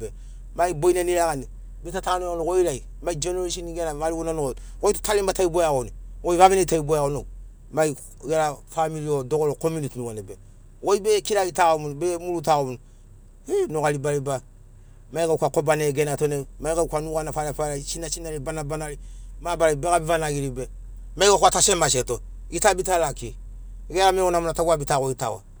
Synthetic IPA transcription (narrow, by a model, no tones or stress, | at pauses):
e | maiboinaniɾakani | betatanoonokoiɾai | maid͡ʒenoɾeʃiniɡenamaliɡonanoɡooitutalimbataibojakonikoivamineitaibojakono | mai | jeɾafamiliodoɡoɾokomunitinuɡanebe | koibekiɾaitaomunubemulutaɣomunu | enoɣalibaliba | maikakʷakobaneɡenatonemaikakʷanuɣanafanafalait͡ʃinat͡ʃinalibanabanalimabaɾibekabivanaɡiɾibe | maikakoatasemaseto | ɡitabitalake | ɡeɾamewonamunataɡʷabitakoɡita̰wa̰